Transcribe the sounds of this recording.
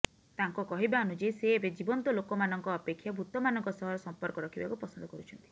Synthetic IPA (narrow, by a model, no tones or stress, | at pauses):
t̪aŋkɔkɔɦibanud͡ʒejseːbed͡ʒibɔnt̪ɔlokɔmanɔŋkɔːpekʰːjabʱut̪ɔmanɔŋkɔsɔɦɔɾɔsɔmpɔɾkɔɾɔkʰibakupɔsɔnd̪ɔkɔɾut͡ʃʰɔnt̪i̥